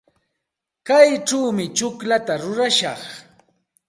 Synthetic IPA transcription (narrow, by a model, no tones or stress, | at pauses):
kajʈ͡ʂawmɪt͡ʃʊklat̪aɾʊɾaʃɑχ